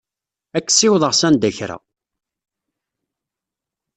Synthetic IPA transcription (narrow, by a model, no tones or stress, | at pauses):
ækːsɪwðˤəʁsænd̪æçɾæ̰